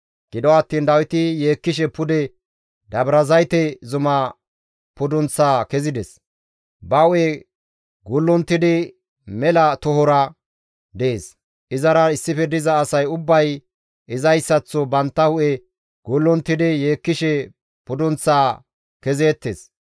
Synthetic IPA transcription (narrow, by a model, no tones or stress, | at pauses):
ɡ̥ɪd̪ɔɐt̪ːiːnd̪ɐwɪt̪ɪjeːkːɪʃ̬ɛpʊd̪ɛ | d̪ɐbɾɐzɐjt̪ɛzʊmɐ | pʊd̪ɔnt͡sːaːkɛzɪd̪ɛs | bɐʊʔe | ɡʊlːɔnt̪ːɪd̪ɪ | mɛlɐt̪ɔhɔɾɐ | d̪eeːs | ʔɪzɐɾɐɪsːɪfɛd̪ɪzɐːsɐjʊbːɐj | ɪzɐjsːɐt͡sːɔbɐnt̪ːɐhʊʔɛ | ɡ̥ʊlːɔnt̪ːɪd̪ɪjeːkːɪʃɛ | pʊd̪ɔnt͡sːaː | kɛzeːt̪ːeːs